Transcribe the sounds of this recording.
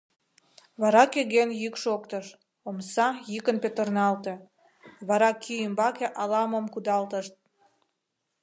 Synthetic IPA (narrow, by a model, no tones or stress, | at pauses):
βɑɾɑkøɣenjykʃokt̪əʃ | omsɑjykənpet̪ərnɑlt̪e | βɑɾɑkʰyjəmbɑkeʔɑlɑməmkud̪ɑlt̪əʃt̪̚